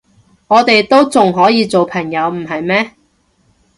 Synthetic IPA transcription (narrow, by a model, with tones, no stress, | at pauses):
ŋɔː˨˧t̪e˨jt̪o˥wt͡sʊ˨ŋɦɔː˨˥jiː˨˧t͡so˨wpʰɐ˨˩ŋjɐ˨˧wm̩˨˩ɦɐ˨jmɛː˥